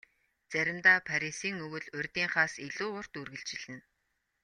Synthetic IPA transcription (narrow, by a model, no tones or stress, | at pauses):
t͡sæɾʲɪ̆mt̪aːpʰaɾʲisiːŋɵwɵ̆ɮʊrʲt̪iːŋχaːsiɮuːʊr̥t̪urɣɘ̆ɬt͡ɕɪ̆ɮ̥ɘ̆n